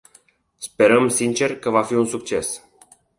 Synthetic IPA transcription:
spe̞ɾəmsint͡ʃe̞rkəvafiunsukt͡ʃe̞s

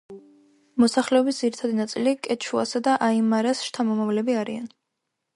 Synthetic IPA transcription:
mɔsaχlɛɔbisd̪ziɾit̪ʰad̪inat̪sʼilikʼɛt͡ʃʰua̰sad̪aʔaimaɾasʃt̪ʰamɔmavlɛbiaɾian

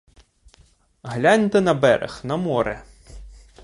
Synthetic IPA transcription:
ɦlʲɑnʲt̪ɪnɐbɛɾḛxnɐmɔɾɛ

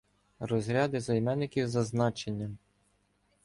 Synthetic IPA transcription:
rɔzɾʲɑd̪ɪzɐjmɛnːɪkʲiwzɐznɑt͡ʃe̞nʲːɐ

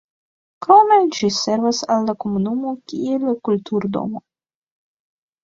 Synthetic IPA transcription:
kʰawmejd͡ʒise̞ɾvasalːako̞munumokʲielkultuɾd̪o̞̰mo

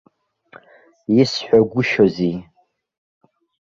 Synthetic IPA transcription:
jɪsħʷaɡʷʊʃozi

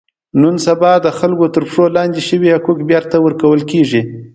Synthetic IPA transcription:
nunsabɑd̪əxalɡot̪əɾpʂolɑnd̪eʃəwiakukbjaɾt̪ːawəɾkawəlkeʐi

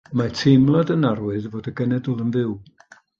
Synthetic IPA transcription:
matʰemlˠadənarwɨðvoːdəɡɛnɛdʊlˠənvɪw

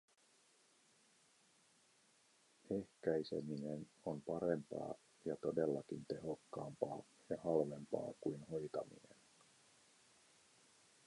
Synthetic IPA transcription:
e̞hkæjse̞̰mine̞no̞mpɑɾe̞mpɑ̰ː | jɑt̪o̞de̞lːɑkint̪e̞ɦo̞kːɑːmpɑː | jɑhɑlʋe̞mpɑ̰ːkujnho̞jt̪ɑmḭne̞̰n

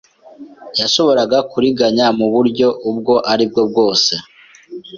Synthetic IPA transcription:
jaʃo̞βo̞ɾaɡakuɾiɡaɲamuβuɾɟo̞ʔub̚ɡo̞ʔaɾib̚ɡo̞b̚ɡo̞ːse̞

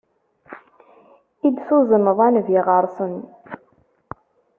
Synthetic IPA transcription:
id̪suzənəðˤanvjɪʁəɾˤsˤən

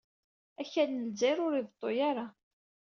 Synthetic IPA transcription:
æçænəlziɾʊɾivt̪ˤːojaɾa

